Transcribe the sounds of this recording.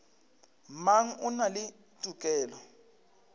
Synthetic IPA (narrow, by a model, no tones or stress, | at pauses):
maŋ̩unalɪ | tʼukʼɛːlɔ